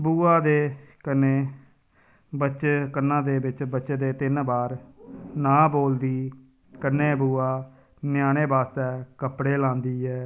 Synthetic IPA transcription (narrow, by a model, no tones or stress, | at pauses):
buːaːd̪eːkəneː | bəʃkənːãːd̪eːbɪt͡ʃbətːʃeːd̪eːt̪ɪnbaːɾnãːboːld̪iː | kənːeːbuːaː | njaːɽ̃eːbaːst̪ɛːkəpɽeːlãːnd̪iːɦɛː